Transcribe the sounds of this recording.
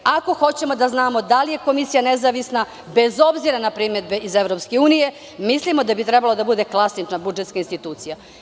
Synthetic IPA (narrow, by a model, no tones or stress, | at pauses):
ako̞xo̞t͡ɕe̞mo̞d̪aznaːmo̞d̪alije̞ko̞misijanezaʋisna | be̞zo̞bziɾanapɾimed̪beizevɾopske̞uːnije̞ | mislimo̞d̪abit̪ɾɛbalo̞d̪abud̪e̞klˠasit͡ʃnabud͡ʒt̪kainst̪it̪uːt̪sija